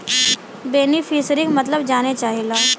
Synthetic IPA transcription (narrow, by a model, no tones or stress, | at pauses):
beːnifiːsɾɪkmɐt̪ləbd͡ʒaːnet͡ʃaːɦilaː